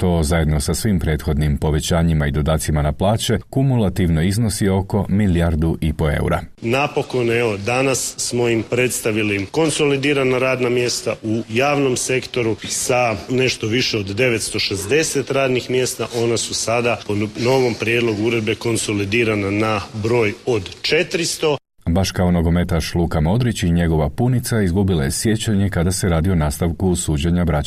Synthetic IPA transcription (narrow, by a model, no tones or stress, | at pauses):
t̪o̞ːzaje̞d̪no̞sasʋimpɾe̞ːt̪xo̞d̪nimpo̞ʋe̞t͡ɕaːɲimaid̪o̞d̪aːt̪simanaplˠaːt͡ɕe̞kumulˠat̪iʋno̞izno̞sio̞ko̞miliaɾd̪uʔipo̞ḛṵɾa̰napo̞ko̞neʋo̞d̪anassːmo̞jimpɾe̞t̪st̪aʋiliko̞nso̞lid̪iːɾanaɾaːd̪namje̞ːst̪aujaːʋno̞mse̞kt̪o̞ɾusane̞ʃt̪o̞ʋiʃeod̪ːe̞ʋe̞t̪st̪o̞ʃezd̪e̞se̞t̪ɾaːd̪nixmje̞ːst̪aʔo̞nasusad̪apono̞ʋo̞mpɾjeːd̪lˠo̞ɡuuɾe̞d̪̚be̞ko̞nso̞lid̪iːɾananabɾo̞ːjo̞d̪t͡ʃe̞t̪ɾist̪o̞ | baʃkaonoɡo̞me̞t̪aʃlˠuːkamo̞d̪ɾit͡ɕiɲe̞ɡo̞ʋapunit̪saizɡubilˠajesje̞t͡ɕaɲe̞kad̪aseɾaːd̪io̞naːst̪aʋkusuːd͡ʑeɲabɾat͡ɕ